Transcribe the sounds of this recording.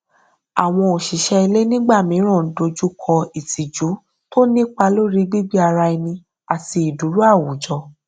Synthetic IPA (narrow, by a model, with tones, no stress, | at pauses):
a˨w̃ɔ̃˧o˨ʃi˨ʃɛ˧i˧le˦nĩ˦ɡ͡ba˦˨mĩ˨˦ɾ̃ã˦˨˦do˧d͡ʒu˦kʰɔ˧i˨ti˨d͡ʒu˨˦ | to˦nĩ˦k͡pa˧lo˦ɾi˦ɡ͡bi˦ɡ͡bi˦a˧ɾa˧i˧nĩ˧ | a˨ti˧i˨du˨˦ɾu˦a˦˨wu˨d͡ʒɔ˧